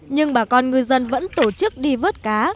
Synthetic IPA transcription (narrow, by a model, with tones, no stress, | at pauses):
ɲɨ˧ŋɓaː˧˩kɔ˧nŋɨ˨˧əjzə˧nvə̰˧˥nt̪o˧˩t͡ɕɨ˦˥k̚ɗi˧vəː˦˥t̚kaː˨˦